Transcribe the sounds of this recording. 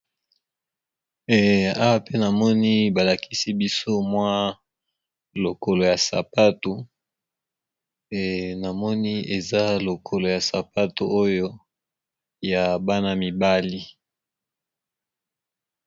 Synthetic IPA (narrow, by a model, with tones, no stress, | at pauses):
a˦wa˦pe˦na˨mɔ˦ni˦ba˨la˨kʰi˦si˦bi˦so˦mwa˦ | lo˨ko˨lo˨ja˨sa̰˨pa˦tu˨ | na˨mɔ˦ni˦e˨za˦lo˨kʰo˨lo˨ja˨sa˨pa˦to̰˨ʔo˦jo˦ | ja˨ba˦na˦mi˨ba˦li˦